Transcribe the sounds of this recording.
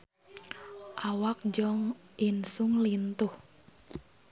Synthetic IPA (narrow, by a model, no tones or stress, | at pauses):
ʔawak̚d͡ʒɔŋ | insʊŋlint̪ʊh